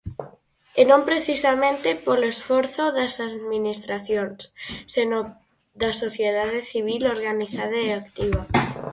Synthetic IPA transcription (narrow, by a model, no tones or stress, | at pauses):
enõmpɾeθisamẽnt̪epolesfoɾθoðasaðminist̪ɾaθjonsseno | d̪asoθjeðaðeθiβ̞iloɾɣaniθað̞aeakt̪iβa